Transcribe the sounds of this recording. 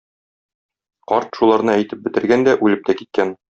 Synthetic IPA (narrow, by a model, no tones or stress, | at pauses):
qɒɾt̪ʃulˠɑɾnɤæjt̪ɘp̚bɘ̆t̪ɘ̆ɾɡænd̪æʔʉlɘp̚t̪ækit̪̚kæn